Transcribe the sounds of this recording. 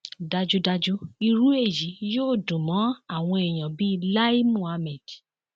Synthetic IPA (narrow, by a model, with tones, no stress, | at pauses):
da˧d͡ʒu˦da˧d͡ʒu˦i˧ɾu˦e˦˨ji˨˦joː˦˨dũ˨mɔ̃˨˦a˦˨w̃ɔ̃˧e˨j̃ã˨bi˦˧la˦i˦mũ˦˨a˧mɛ̃˨di˨